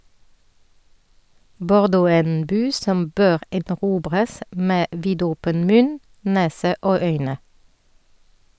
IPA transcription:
bɔʁˈdoː ˈæː ˈeːn ˈbyː ˈsɔm ˈbøːʁ ɛdnɔˈʁuːbʁəs ˈmeː ˈʋiːdɔpən ˈmʉn ˈneːsə ˈoː ˈœʏnə

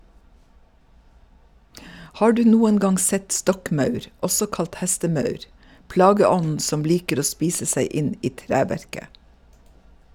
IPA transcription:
ˈhɑː ˈɖʉː ˈnuːən ˈɡɑŋ ˈsɛt ˈstɔkˌmɑʉɾ ˈɔsɔ ˈkɑlt ˈhɛstəˌmɑʉɾ ˈplɑːɡəˌɔnn̩ ˈsɔm ˈliːkəɾ ˈoː ˈspiːsə ˈsæɪ ˈʔɪn ˈiː ˈtɾæːʋæɹkə

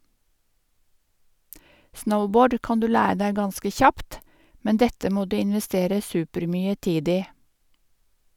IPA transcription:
ˈsnəʊˌboːɖ ˈkɑːn ˈdʉː ˈlæː ˈdæɪ ˈɡɑnskə ˈçɑpt ˈmɛn ˈdɛtə ˈmoː ˈdʉː ɪnʋɛˈsteːɾə ˈsʉːpəɾˌmyːə ˈtiːd ˈiː

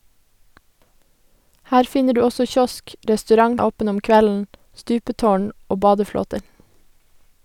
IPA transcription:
ˈhæːɾ ˈfɪnə ˈɖʉː ˈɔsɔ ˈçɔsk ʔɾɛstʉˈɾɑŋ ˈoːpən ˈɔm ˈkʋɛln̩ ˈstʉːpətoːɳ ˈoː ˈbɑːdəˌfloːtəɾ

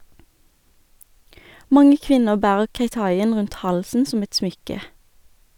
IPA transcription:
ˈmɑŋə ˈkʋɪnəʁ ˈbæːʁəʁ keɪˈtɑɪən ˈʁʉnt ˈhɑlsn̩ ˈsɔm ˈɛt ˈsmʏkə

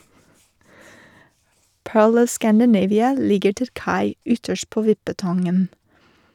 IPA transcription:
ˈpøːɭ ˈɔʋ ˌskændəˈneɪʋɪə ˈlɪɡəɾ ˈtɪl ˈkɑɪ ˈʏtəʃt ˈpoː ˈʋɪpəˌtɑŋən

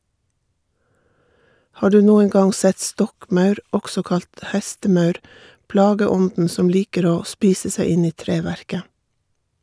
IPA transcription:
ˈhɑː ˈdʉː ˈnuːəŋ ˈɡɑŋ ˈsɛt ˈstɔkˌmɑʉɾ ˈɔksɔ ˈkɑlt ˈhɛstəˌmɑʉɾ ˈplɑːɡəˌɔndn̩ ˈsɔm ˈliːkəɾ ˈoː ˈspiːsə ˈsæɪ ˈɪn ˈiː ˈtɾeːʋæɾkə

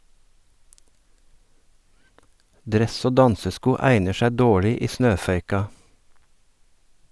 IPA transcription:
ˈdɾɛs ˈoː ˈdɑnsəˌskuː ˈæɪnəɾ ˈʃɛ ˈdoːɭɪ ˈiː ˈsnøːfœʏkɑ

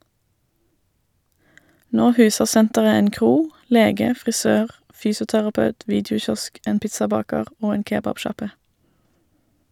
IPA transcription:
ˈnoː ˈhʉːsəʁ ˈsɛntəʁə ˈeːn ˈkʁuː ˈleːɡə fʁɪˈsøːʁ ˈfyːsʊtæʁɑˌpɑʉt ˈʋiːdɪʊˌçɔsk ˈʔeːn ˈpɪtsɑˌbɑːkəʁ ˈoː ˈeːn ˈkeːbɑbˌʃɑpə

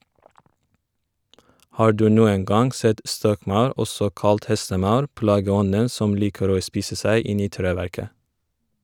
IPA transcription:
ˈhɑː ˈɖʉː ˈnuːəŋ ˈɡɑŋ ˈsɛt ˈstɔkˌmɑʉɾ ˈɔsɔ ˈkɑlt ˈhɛstəˌmɑʉɾ ˈplɑːɡəˌɔnən ˈsɔm ˈliːkəɾ ˈoː ˈspiːsə ˈsæɪ ˈɪn ˈiː ˈtɾeːˌʋæɾkə

